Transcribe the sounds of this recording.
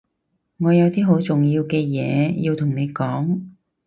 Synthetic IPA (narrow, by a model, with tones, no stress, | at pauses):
ŋɔː˨˧jɐ˨˧wt̪iː˥ɦo˨˥wt͡sʊ˨ŋjiː˧wkɛː˧jɛ̰ː˨˧ji˧wt̪ʰʊ˨˩ŋne˨˧jkɔː˨˥ŋ